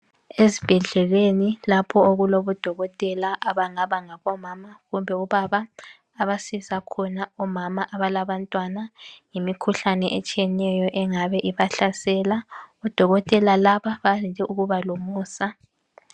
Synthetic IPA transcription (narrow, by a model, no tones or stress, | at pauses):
ezib̥ʱɛɮɛlwenilapʰɔoɣuloβɔd̥ʱɔɣɔtʼɛlaʔaβaŋaβaŋaβɔmaːmaɣumbʱɛuβaβaː | βasisakʰɔnaɔmamaʔaβalaβantʼwanaŋemikʰuɬanɛʔɛt͡ʃʼijɛnɛjɔʔɛŋaβɛʔiβaɬasɛːlaɔd̥ʱɔɣɔtʼɛlalaβaβand͡ʒʱɛʔuɣuβalomuːsa